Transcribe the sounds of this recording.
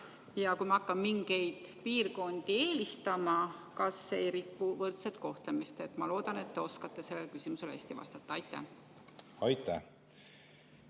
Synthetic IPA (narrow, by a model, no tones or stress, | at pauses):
jɑkujmɑɑkˑːɑmːiŋɡ̥e̞jd̪̥piːrko̞nd̪ie̞ːlist̪ɑmɑkɑsːejɾipːuvɤrt̪set̪ko̞ht̪lemist̪e̞t̪ˑmɑlo̞ːd̪̥ɑne̞t̪ːe̞o̞skɑt̪ːe̞se̞lːelkysimuse̞lhæ̰sʲt̪ivɑ̰st̪ɑt̪ːˑɑɑjt̪ːˑæ̰h | ɑjt̪ːæ̰h